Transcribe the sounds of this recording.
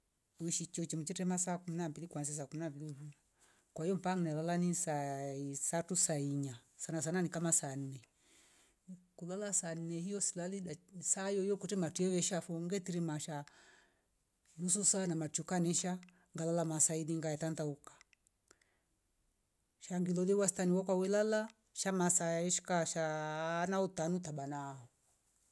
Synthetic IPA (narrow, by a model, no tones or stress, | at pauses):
uiʃit͡ʃɔt͡ʃɛmut͡ʃɛtɛmasakuminambilikwansis̬aːkuminambilihua | kwaijɔm̩paŋnɛlalanisaisatusaiɲasanas̬ananikamasan̩nɛ | kulalasan̩nɛhijɔsilaliɗasajɔjɔkɔtɛmatuiɛβɛʃafɔŋɡɛtiɾimaʃa | nususanamatukanɛʃa | ŋɡalalamasaiðiŋɡajɛtantaukḁ | ʃaŋɡilɔliwasitaniwɔkawɛlala | ʃamasajaɛʃi̥kaʃanautanutaɓanahɔ